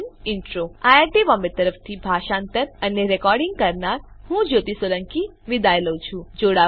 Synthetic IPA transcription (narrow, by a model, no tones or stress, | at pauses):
nɪɳʈɾoajaʈiʋɔmet̪əɾəfʰt̪ʰibʱaʃãnt̪əɾəneɾekɔɾɖɪ̃ŋɡ̚kəɾnaɾ | hũd͡ʒot̪isələŋki | ʋid̪aeləut͡ʃʰũd͡ʒoɽa